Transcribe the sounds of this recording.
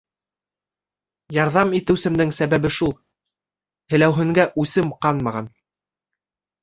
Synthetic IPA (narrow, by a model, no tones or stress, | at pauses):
jɑɾðɑmit̪ɘ̆wsɘ̆md̪ɘŋsæβæβɘʃulˠ | hɘ̆læwɦɘ̆ŋɡæʔʉsɘmqɑnmɑʁɑn